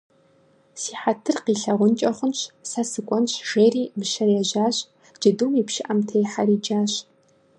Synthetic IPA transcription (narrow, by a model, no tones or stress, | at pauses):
siːħatʰɨrqiːɬɐʁʷʊnt͡ʃʼɐχʷʊnɕsɐsɨkʷʼɔnɕʒ̥eːriːmɨʃɐraʑaːɕʼ | d͡ʒɐduːmiːpʃɪʔɐmtʰejħaɾiːd͡ʒaːɕ